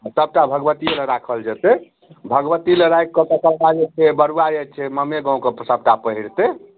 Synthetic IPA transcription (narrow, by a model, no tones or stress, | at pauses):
asəb̚ʈabʱəɡbət̪ielə̃ɾakʰəld͡ʒət̪e | bʱəɡʋət̪iləɾajkːəkəkəlkad͡ʒet͡ʃʰɛbəɾuwaet͡ʃʰɛməmeɡãũkɔpsəb̚ʈapəɦiɾt̪e